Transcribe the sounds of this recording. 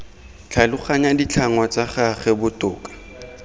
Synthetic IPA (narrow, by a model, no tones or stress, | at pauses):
t͡ɬʰalʊχaɲadit͡ɬʰaŋwat͡saχaχɛbʊtʼʊːkʼḁ